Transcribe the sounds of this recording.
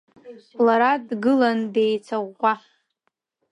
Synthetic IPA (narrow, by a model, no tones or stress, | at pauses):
laɾadɡɨlandejt͡sʰaʁːʷa